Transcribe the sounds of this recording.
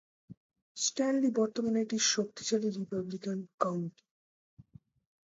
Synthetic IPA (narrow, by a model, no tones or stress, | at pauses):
sʈɛnlibɔɾt̪omaneʈiɾʃok̚t̪i̥t͡ɕaliɾipablikankawɳʈi̥